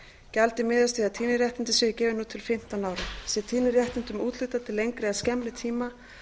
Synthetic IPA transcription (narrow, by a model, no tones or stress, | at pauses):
calt̪ɪmɪːðast̪ɪat̪ʰiːnɪɾjɛht̪ɪnt̪ɪsvɪːɣɪcɛːvɪnuːt̪ʰɪlfɪm̥t̪anaːwɾɪmsɛt̪ʰiːnɪɾjɛht̪ɪnt̪ʏmuːt̪lʏht̪at̪ʰɪlːejŋkɾɪascɛmlɪt̪ʰiːma